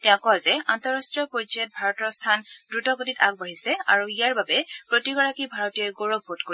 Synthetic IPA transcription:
tɛ̃ʊ̃kɔzɛantɔɹastɹijɔpod͡ʒiɔt̚bʱaɹɔtɔɹstʰandɹutɔɡotitaɡ̚baɹisɛa̰ɹuijaɹbabɛpɹotiɡɔɹakibʱaɹotijɔjɡoɹoɡ̚botkoi

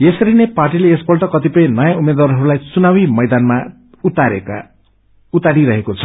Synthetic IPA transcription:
jesʌɾineparʈileesbʌlʈʌkʌt̪ipʌj̃nʌjaumːed̪waɾɦʌɾulajt͡sunawimʌjd̪anma | aɾḛka̰ | ut̪aɽiɾʌɦekot͡sʰʌ̥

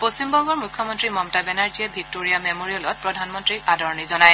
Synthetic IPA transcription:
postimbɔŋɡɔɹmukʰjɔmɔntɹimɔmtabɛnaɹziɛbʱik̚toɹijamɛmoɹiɔlɔt̚pɹɔdʱanmɔntɹiʔadɔɹnizɔnaj

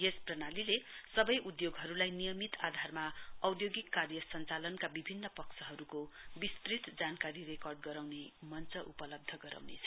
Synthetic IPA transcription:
jesprʌnalilesʌbʌjʔud̪joɡɦʌɾulajnijʌmit̪ad̪ʱarmaʌwd̪joɡikːarjʌsʌnt͡salʌnkabibʱinːʌpʌksʰʌɦʌɾukobist̪rit̪d͡zankaɾirekʌrɖɡʌɾawnemʌnt͡sʌʔupʌlʌb̚d̪ʱʌɡʌɾa̰wnḛt͡sʰʌ

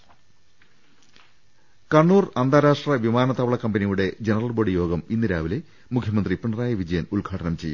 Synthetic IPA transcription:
kɐɳːuːrɐnd̪aːɾaːʂʈrɐʋimaːnɐt̪ɐʋɐɭɐkːɐmbɐnijuɽe̞d͡ʑenɐrɐlboːɽijo̞ːɡɐminːiɾaːʋɐle | mukʰjɐmɐnd̪ripːiɳːɐraːjɐʋid͡ʑɐjɐnulɡʱaːʈɐnɐmt͡ɕe̞jːum

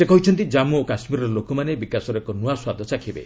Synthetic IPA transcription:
sekɔɦit͡ʃʰɔnt̪̬id͡ʒamuokasmiɾɔɾlokɔmanebikasɔɾɔkɔnuaswad̪ʱɔsakʰibḛ

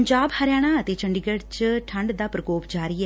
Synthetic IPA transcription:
ɲd͡ʒaːbhəɾjaːɽ̃aːət̪eːt͡ʃəɳɖiːɡəɽt͡ʃʈʰəɳɖd̪aːpɾəkoːpd͡ʒaːɾiːɛː

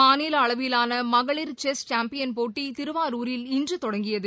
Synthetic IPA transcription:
aːniːlɐɭɐʋɪɪlaːnɐmɐɣɐɭɪɾt͡ʃɛst͡ʃaːmpɪjɐnpoːʈːit̪ɪɾɯʋaːɾuːɾɪlɪndrɯt̪ɔɽɐŋɡɪjɐðɯ

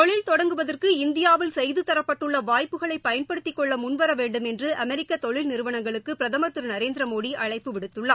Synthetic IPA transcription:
t̪ɔɭɪlt̪ɔɽɐŋɡɯʋɐðɐrkɯɪnd̪ɪjaːʋɪlsɛjðɯt̪ːɐɾɐpːɐʈːɯɭːɐʋaːjpːɯɣɐɭɐɪpːɐjɐnpɐɽɯt̪ːɪkːɔɭːɐmʊnʋɐɾɐʋeːɳɖɯmɛndrɯʔɐmɛɾɪkːɐt̪ɔɭɪlnɪɾɯʋɐɳɐŋɡɐɭɯkːɯpɪɾɐðɐmɐt̪ːɯɾnɐɾeːnd̪ɾɐmoːɽiʔɐɭɐɪpːɯʋɪɽɯt̪ːɯɭːɐ

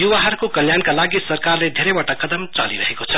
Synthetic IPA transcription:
jubaɦəɾkokəljankalaɡisəɾkaɾled̪ʱeɾebaʈakəd̪əmt͡ʃa̰liɾəɦekot͡ʃʰə

